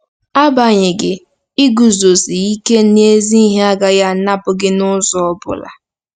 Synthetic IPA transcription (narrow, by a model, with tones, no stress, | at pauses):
a˦ba˨ɲɪ˨ɡɪ˨ | i˦ɡu˨zo˨si˨i˦ke˦n˦e˦zi˦i˦ɦe˦a˦ɡa˨ja˦na˦pʊ˨ɡɪ˦nʊ˦sɔ˦ɔ˦bʊ̰˨la̰˨